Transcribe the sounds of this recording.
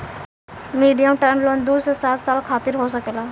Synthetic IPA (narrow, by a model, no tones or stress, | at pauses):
miːɖijəmʈɛːmloːnd̪uːsesaːt̪saːlkʰaːt̪ɪɾɦosɐkelaː